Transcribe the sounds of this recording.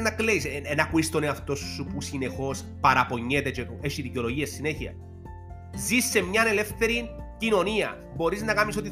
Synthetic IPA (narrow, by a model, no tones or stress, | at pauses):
nːɐkleisenɐkuist̪oneɐft̪o̞sːupusine̞xo̞s | pɐɾɐpo̞ɲːet̪et͡ʃeeʃiðiceoloʝiɐssineçiɐ̰ | zisːe̞mɲɐne̞le̞fθe̞ɾincino̞niɐ̰ | bo̞ɾiznɐkɐmiso̞t̪̬i